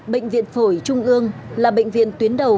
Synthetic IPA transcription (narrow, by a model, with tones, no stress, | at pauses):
ɓə̰˧˨ŋ̟vḭ˧˨ənfo˧˩jt͡ɕʊ˧ŋ͡mʔɨ˧əŋlaː˨˩ɓə̰˧˨jŋ̟vḭ˧˨ənt̪wi˨˦ənɗə˨˩w